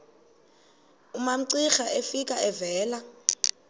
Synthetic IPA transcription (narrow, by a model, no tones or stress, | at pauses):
umam̩ǀixaʔefikʼaɛvɛːla